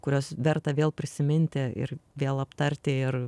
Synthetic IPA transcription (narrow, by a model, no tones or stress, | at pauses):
kʊɾʲoːsʋʲɛrt̪ɐʋʲeːlˠpʲɾʲɪsʲɪmʲɪnʲt̪ʲeɪ̰rʋʲeːlˠɐpt̪ɐɾʲt̪ʲeːɪr